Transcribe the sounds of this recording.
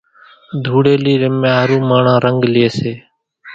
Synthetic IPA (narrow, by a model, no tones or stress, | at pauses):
d̪ʱuːɽeːliːɾemãːaɾũːmaːɳãːɾəŋɡlɪeːseː